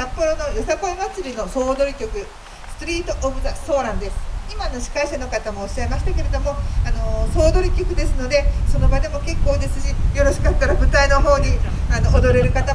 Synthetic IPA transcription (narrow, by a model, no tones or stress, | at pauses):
sapːo̞ɾo̞no̞josakoimat͡sɨɾʲino̞so̞ːd̪o̞ɾʲikʲo̞kɯ̟ | sɨ̥t̪oɾʲiːt̪oʔobɯ̟zaso̞ːɾãnd̪e̞sɨ̥imano̞ɕi̥kaiɕano̞kat̪amo̞ːɕːaimaɕi̥t̪ake̞ɾe̞d̪o̞mo̞ano̞so̞ːd̪o̞ɾʲikʲo̞kɯ̟d̪e̞sɨno̞d̪e̞so̞no̞bad̪e̞mo̞ke̞kːo̞ːd̪esɨʑijo̞ɾo̞ɕi̥kat̪ːaɾabɯ̟t̪aino̞ɦo̞ːɲ̟iano̞ːd̪o̞ɾe̞ɾɯ̟kat̪a